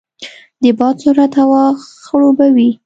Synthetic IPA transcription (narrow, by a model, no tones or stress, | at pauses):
d̪əbɑt̪suɾat̪awɑxəɭobawi